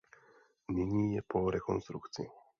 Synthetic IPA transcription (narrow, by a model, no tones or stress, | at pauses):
nɪɲiːjɛpoɾɛkonst̪ɾukt͡sɪ̰